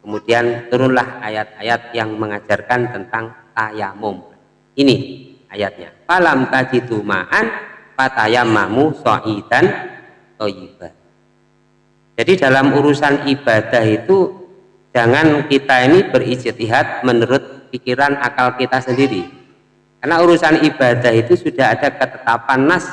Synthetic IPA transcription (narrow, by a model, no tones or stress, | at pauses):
kəmud̥iant̪uɾʊnlahajat̪̚ajat̪̚jaŋməŋḁd͡ʒ̥arkant̪ənt̪aŋt̪ajamʊm | ini | ajat̪̚ɲa̰palamt̪ad͡ʒ̥id̪uma̰ʔanpat̪ajamamuso̰ʔid̥an | t̪ojib̥a | d͡ʒ̥adidalamuɾusanib̥ad̥ahit̪u | d͡ʒ̥aŋankit̪ainib̥ərisɪt̪iɦat̪̚mənuɾʊt̪̚pikiɾanakalkit̪asəndiɾi | karnauɾusanib̥adahit̪usud̥aɦad̥akət̪ət̪apanːas